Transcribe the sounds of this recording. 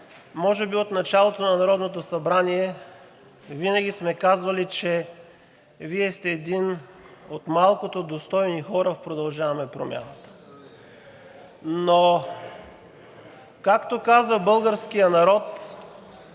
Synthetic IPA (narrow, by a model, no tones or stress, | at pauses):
mɔʒɛbiot̪nɐt͡ʃalˠot̪onɐnɐɾɔd̪not̪osɐbɾaniɛ | vinɐɡʲismɛkazvɐlit͡ʃɛ | viɛst̪ɛːd̪inot̪malˠkot̪od̪ost̪ɔjnixɔɾəpɾod̪ɐlˠʒavɐmɛpɾo̰mʲja̰nət̪ə̥ | no | kakt̪okazvəbɤlˠɡəɾsk̟ijənɐɾɔt̪